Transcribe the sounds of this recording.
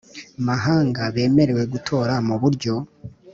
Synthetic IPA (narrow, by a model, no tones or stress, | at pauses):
maɦaːŋɡaβe̞ːme̞ɾe̞we̞ɡutʰo̞ːɾamuβuɾɟo̞